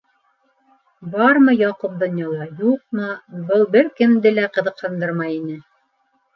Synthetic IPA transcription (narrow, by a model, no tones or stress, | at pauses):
bɑɾmɤjɑqup̚d̪ŏnjɑlˠɑjuq̚mɤbɤlˠbɘɾkɘ̆md̪ɘlæqɤ̆ðɤ̆qhɤ̆nd̪ɤɾmɑjinɘ